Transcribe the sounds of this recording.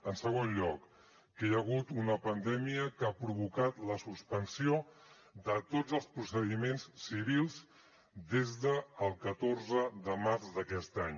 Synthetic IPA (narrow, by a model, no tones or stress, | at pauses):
ənsəɣ̞onʎɔkː | əjəɣ̞ut̪unəpənd̪ɛmiəkapɾuβukat̪ləsuspənsio | d̪ət̪od͡zəlˠspɾusəðimenssːiβ̞ilˠz | d̪ezðəːlˠkət̪orzəðəmaɾzd̪əkɛst̪aɲ